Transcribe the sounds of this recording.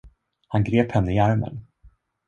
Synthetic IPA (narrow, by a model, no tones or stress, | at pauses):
hanɡɾeːphɛnːəɪaɾmə̰n